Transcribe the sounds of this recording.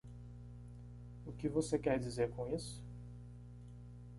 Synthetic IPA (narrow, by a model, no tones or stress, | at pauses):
ʊkɪvosekɛɾd͡ʒizeɾkõisʊ̥